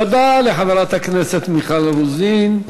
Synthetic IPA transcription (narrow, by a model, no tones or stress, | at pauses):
ad̪aleħaveɾat̪hakneset̪miχalɾuzin